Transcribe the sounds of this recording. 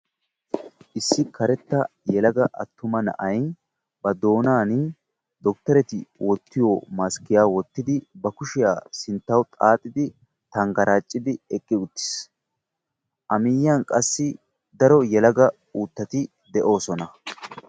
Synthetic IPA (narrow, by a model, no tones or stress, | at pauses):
ʔɪsːɪkʰɐɾɛt̪ːɐjɛlɐɡɐʔɐ̰t̪ːʊmɐnɐ̰ʔɐj | bɐd̪o̞ːnaːn | d̪ɔk̚t̪ɐɾɛt̪ɪwɔt̪ːɪjoːmaskːɪjaːwɔt̪ːɪd̪ɪbɐkʊʃɪjaːsɪnt̪ːɐwt̪ʼaːt̪ʼːɪd̪ɪ | t̪ɐŋɡɐɾaːt͡ʃʼːɪd̪ɪɛkʼːɪʊt̪ːɪ̥s | ʔɐmɪjaːnkʼɐsːɪ | d̪ɐɾɔjɛlɐɡɐ | uːt̪ːɐt̪ɪ | d̪ɛʔo̞ːsɔnɐ